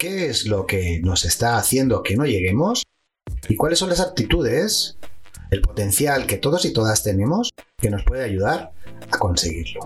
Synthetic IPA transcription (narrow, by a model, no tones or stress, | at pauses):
ke̞ezlo̞ke̞no̞se̞st̪aːθje̞nd̪oke̞no̞ʝe̞ɣ̞e̞mo̞s | ikwalesːo̞nlasap̚t̪it̪uð̞e̞s | elpo̞t̪e̞n̟θjalke̞t̪o̞ðo̞sit̪o̞ðast̪e̞nẽ̞mo̞ske̞no̞spwe̞ðe̞aʝuðaɾako̞nse̞ɣ̞iɾlo̞